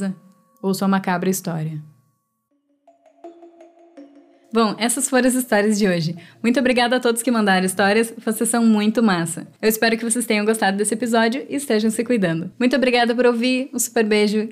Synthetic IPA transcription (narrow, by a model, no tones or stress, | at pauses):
ɐ | owsuɐmakabɾɐist̪ɔɾiɐ | bõw̃ɛsɐsfoɾ̃ɐzist̪ɔɾiɐzd͡ʒɪoʒɪmũj̃t̪ʊobɾiɡad̪ʊat̪od̪ʊskɪmɐ̃nd̪aɾɐ̃ist̪ɔɾiɐsvosesːɐ̃w̃mũj̃t̪ʊmasɐ̰ewɪspɛɾʊkɪvos̬est̪ẽjɲ̃ɐ̃ɡost̪ad̪ʊd̪esɪepizɔd͡ʒjʊʔɪːst̪eʒɐ̃w̃sɪkujd̪ɐ̃nd̪ʊmũj̃t̪ʊobɾiɡad̪ɐpoɾowviɾʊ̃su̥peɾbeʒʊ